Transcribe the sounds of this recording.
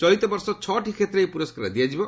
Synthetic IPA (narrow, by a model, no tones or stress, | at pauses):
t͡ʃɔit̪ɔbɔɾsɔt͡ʃʰɔʈʰikʰet̪ɾejpuɾɔskaɾad̪iad͡ʒibɔ